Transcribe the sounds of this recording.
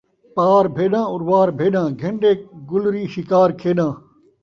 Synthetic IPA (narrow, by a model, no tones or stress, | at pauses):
paːɾbʱeːɗãːʊɾʋaːɾbʱeːɗãːɡʱẽɳɖeːɡʊlɾiːʃɪkaːɾkʰeːɗãː